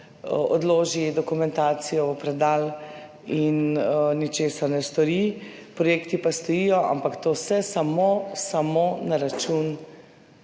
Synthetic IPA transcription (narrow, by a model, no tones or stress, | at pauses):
ɔd̪loːʒid̪ɔkumɛnt̪aːt̪sijɔupɾɛd̪aːl | innit͡ʃeːsaɾnɛst̪ɔɾi | pɾɔjeːkt̪ipast̪ɔjijɔʔa̰mpakt̪oːsɛsamosamonaɾat͡ʃun